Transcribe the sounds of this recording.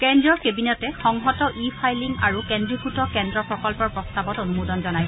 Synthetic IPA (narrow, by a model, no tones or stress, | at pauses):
kɛndɔɹkebinɔtɛxɔŋɦɔtɔʔipʰajliŋaɹukɛndɹixutɔkɛndɹɔpɹɔkɔlpɔɹpɹɔstabɔtonumudɔnzɔnaj